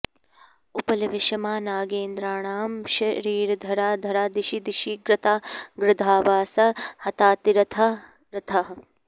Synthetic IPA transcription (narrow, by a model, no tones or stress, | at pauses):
upɐlɐʋɪʃɐmaːnaːɡeːnd̪ɾaːɳaːmʃɐɾiːɾɐd̪ʱɐɾaːd̪ʱɐɾaːd̪iʃid̪iʃiɡɾɪt̪aːɡɾɪd̪ʱaːʋaːsɐhɐt̪aːt̪iɾɐt̪ʰɐ | ɾɐt̪ʰɐɦɐ